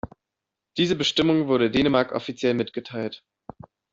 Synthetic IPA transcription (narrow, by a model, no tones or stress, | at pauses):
d̥iːzəbəʃtɪmʊŋvʊɐɾədeːnəmaɐkʔɔ̰fit͡sjɛlmɪtɡ̥ətʰaɪlt